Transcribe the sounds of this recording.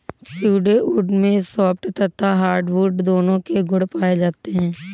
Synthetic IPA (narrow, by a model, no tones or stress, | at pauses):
siːɖeʔuːɖmẽsɔːpʈt̪ɐt̪ʰːaɦaːɾɖʋuːɖd̪oːnõkeɡʊɽpaːed͡ʒaːt̪eɦɛ̃ː